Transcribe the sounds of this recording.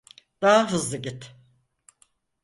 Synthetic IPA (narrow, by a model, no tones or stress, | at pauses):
d̪̥aɦaɦɯzlˠɯɟit̪